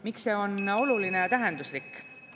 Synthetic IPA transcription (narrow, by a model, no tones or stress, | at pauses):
miksːe̞ːo̞no̞lulinejɑt̪æɦend̪̥uslikː